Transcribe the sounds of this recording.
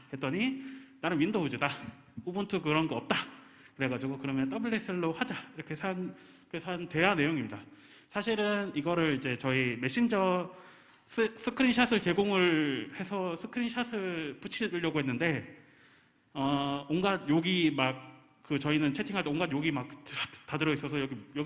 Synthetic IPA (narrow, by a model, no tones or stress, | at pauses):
he̞t̚t͈ʌɲinanɯnwindoud͡ʑida | obɯntʰɯk̬ɯɾʌnɡʌʌp̚t͈a | kɯɾe̞ɡad͡ʑiɡokɯɾʌmjʌnt͈ʌbɯɭːes͈ʰɯɭːohad͡ʑaiɾʌkʰe̞sʰan | kesʰante̞ɦanːe̞joŋimɲida | sʰaɕʰiɾɯniɡʌɾɯɾid͡ʑe̞t͡ɕʌime̞ɕ͈ʰind͡ʑʌ | sʰɯs͈ʰɯkʰɯɾinɕʰasʰɯɭt͡ɕe̞ɡoŋɯɭhe̞sʰʌsʰɯkʰɯɾinɕʰasʰɯput͡ɕʰidɯɭːʌɡoɦe̞nːɯnde̞ | ʌonɡadjoɡimak̚ | k͈ːɯt͡ɕʌinɯnt͡ɕʰetʰiŋɦaɭteoŋɡadjoɡimak̚at͈adɯɾʌis͈ʌsʰʌjʌɡijʌɡ